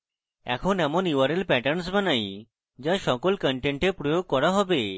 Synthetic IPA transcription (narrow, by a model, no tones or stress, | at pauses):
ɛ̰kʰonɛmoniwaɾelpɛʈəɾns̬banaj | d͡ʒaʃɔkolkəɳʈeɳʈepɾojoɡ̚kɔɾaɦɔbe